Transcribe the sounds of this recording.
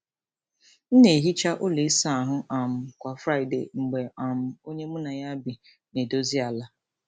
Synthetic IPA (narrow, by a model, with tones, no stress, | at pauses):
n̩˦ne˨ɦi˦t͡ʃa˦ʔʊ˦li˨˦sa˦˨ɦʊ˦ʔa˨m̩˨kʷa˨fɾa˦ɪ˨dḛ˨ŋ͡m̩˨ɡ͡be˨a˨mʊ˨o˦ɲe˦mʊ˦na˨ja˦bi˨ | ne˨do˦zi˦a˨la˦